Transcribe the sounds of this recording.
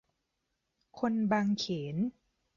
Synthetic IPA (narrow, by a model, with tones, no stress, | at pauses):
kʰo˧nbaː˧ŋkʰeː˩˦n